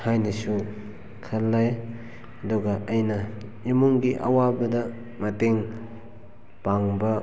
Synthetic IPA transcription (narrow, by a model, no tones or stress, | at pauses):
hajnisu | kʰɐlːaj | ɐduɡɐɐjnɐ | imuŋɡiʔɐ̰wabɐdɐ | mɐteŋ | paŋbɐ